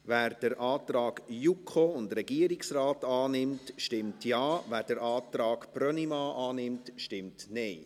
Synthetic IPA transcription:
ʋæːɾd̥əɾʔɑːt̪ɾɑːɡjukʰχoʊndrɛɡiəɾɪksraːtɑːnɪmtʃtɪmtjɑːvæːd̥əɾʔɑːt̪ɾɑːɡprœnimɑːʔɑːnɪmtʃtɪmtneɪ

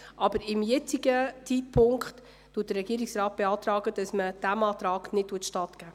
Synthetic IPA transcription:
ʔɑb̥əɾɪmjɛt͡siɡət͡sit̚pʰʊŋkχt | tuːt̚dərɛɡiəɾiksɾɑːt̚b̥eɑːt̪ɾɑːɡəd̥ɑsməd̥æmɑːtɾɑːknɪttːuːətʃtɑːtɡ̥æː

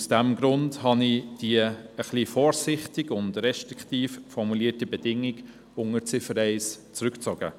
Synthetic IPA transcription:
usd̥æmɡɾʊndhɑnid̥iəəχliːfɔːɾsɪχtɪɡʊndrɛʃtɾiktiːffɔrmuliətəbɛd̥ɪŋɪɡ | ʊŋət͡sɪfəɾɛɪst͡sɾʉkt͡sɔɡ̥ə̰

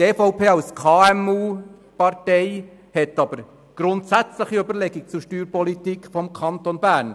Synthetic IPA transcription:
tɛfɔʊpʰeːɑʊskʰɑːɛmuː | pɑɾtɛɪ | hɛtːɑb̥əɾ | ɡ̥ɾʊntsæt͡sləχiybəɾlɛɡik̚t͡suʃtyːɾpɔlitiːkfɔmkʰɑnt̪onbæːɾn

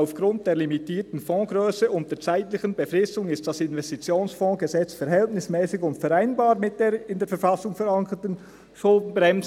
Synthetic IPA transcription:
ʊfɡ̥ʁʊnt̚d̥eːlimitiːtn̩fɔ̃ːɡʁøːsəʔʊnt̚deːt͡saɪtlɪçənbəfʁɪstʊŋɪst̚d̥asɪnvɛstit͡sjoːnsfɔ̃ːɡ̥əzɛt͡sfɛɾɦɛltnɪsmɛːsɪçʊntfɛɾaɪnbɑːɾmɪt̚d̥eːɾɪndeːɐfɛɾfɑsʊŋfɛɾɑŋkətən | ʃʊldn̩bʁɛmz

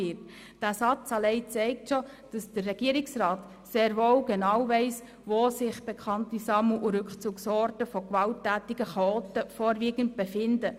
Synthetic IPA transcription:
ɪt | d̥æsɑt͡sɑlɛɪt͡sɛɪk̚tʃɔ | d̥ɑsd̥ərːɛɡ̥iəɾɪksrɑːt | seːɾʋoːwɡenɑːwvɛɪs | ʋoːsɪχb̥ekʰɑntisɑmuʔuɾɵkχt͡suksɔːɾtəfɔkʋɑltːæːtiɡəχɑoːtəfɔːɾʋiːɡənt̚b̥efɪndə

